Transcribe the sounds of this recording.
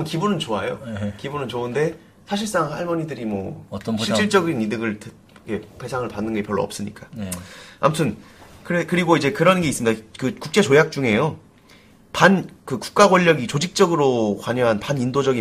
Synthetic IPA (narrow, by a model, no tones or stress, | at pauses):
kibunɯnt͡ɕoajo̰kibunɯnt͡ɕoɯnde̞ | sʰaɕʰiɭs͈aŋaɭmʌɲidɯɾimwʌiɕ͈iɭt͡ɕ͈ʌɡinidɯɡɯɭtɯ | kete̞sʰaŋɯɭpanːɯnɡʌipjʌɭːo̰ʌps͈ɯɲik͈a | a̰mutʰɯn | kɯɾekɯɾiɡoid͡ʑe̞kɯɾʌnɡe̞is͈ɯmɲidakɯkuk̚t͡ɕ͈e̞t͡ɕojak̚t͡ɕ͈uŋe̞jo | pankɯku̥k̚k͈aɡwʌʎːʌɡit͡ɕod͡ʑik̚t͡ɕ͈ʌɡɯɾokwaɲʌŋɦanpanindod͡ʑʌɡi